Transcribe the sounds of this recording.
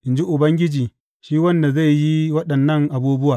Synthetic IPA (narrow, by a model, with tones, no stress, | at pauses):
ʔɪ˨nd͡ʒi˦ʔʊ˨bɐ˦ŋɡʲɪ˦d͡ʒiː˨ | ʃiː˦wɐ˦nda˨za˦˨jji˦wɐ˦ɗɐ˨nːɐ˦˨ŋʔa˨buː˦bʊ˦waː˨